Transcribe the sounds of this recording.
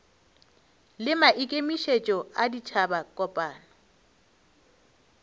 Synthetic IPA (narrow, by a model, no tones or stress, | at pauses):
lɪmaʔikʼemiʃet͡ʃʼɔadit͡ʃʰabakʼɔpʼaːnɔ